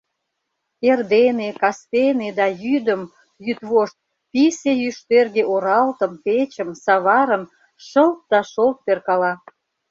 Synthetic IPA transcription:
erd̪enekɑst̪ened̪ɑjyd̪əm | jyt̪βoʃt̪̚ | pisejyʃt̪erɣeʔoɾɑlt̪əmpet͡ɕəmsɑβɑɾəm | ʃəlt̪̚d̪ɑʃolt̪̚perkɑlɑ

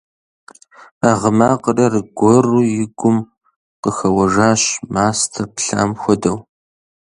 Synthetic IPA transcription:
aːʁəmaːqərɐrɨɡʷɔruːjɪɡʷʊm | qəxɐwɐʐaːɕmaːstʰɐpɬa̰ːmxʷɔdɐw

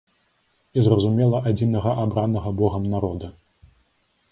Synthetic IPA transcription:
izrɐzumʲɛlˠɐʔad͡zʲinɐɣɐʔabɾanɐɣɐbɔɣɐmnaɾɔd̪ɐ

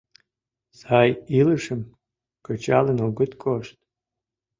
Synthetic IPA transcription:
sajilɨʂəm | kət͡ʃalənoɡɨt̪kʰʼoʃt̪̚

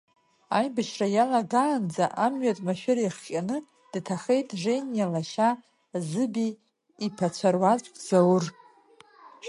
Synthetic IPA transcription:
ajbaʃrajalaɡaːnd͡zaʔamɥatʼmaʃᶣɪɾiχkʲʼanɨ | d̥tʰaχe̞jtʼʐe̞njalaʃa | zɨbiː | pʰat͡sʷʰarwat͡sʷʼkʼd͡zawʊr

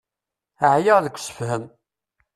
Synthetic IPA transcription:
əʕjəʁðəkʷːsə̥fhəm

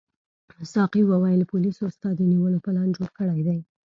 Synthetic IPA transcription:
sɑqiwawajlapʊlisost̪ɑd̪əniwəlopəlɑnd͡ʒoɽkəɽajd̪aj

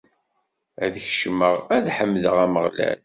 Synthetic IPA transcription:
æðəçʃməʁæðħəmːðəʁæməʁlæ̰l

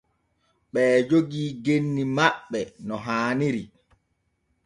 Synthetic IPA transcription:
ɓɛːd͡ʒoɡiːɡenːimaɓːɛnɔɦaːniɾi

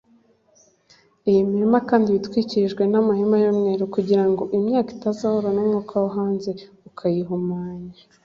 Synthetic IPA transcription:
ijimiimakaːndiβitwiːciʒɡwe̞namahimajomŋe̞ɾukuɟiɾaŋɡo̞ʔimɲaːki̥tazahoɾonomŋuːkʰawaɦaːnze̞ | ukʰajiɦumaːɲa

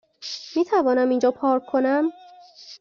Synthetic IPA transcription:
miːt̪ʰævɒːnæmind͡ʒɒːpʰɒːɾkʰːonæm

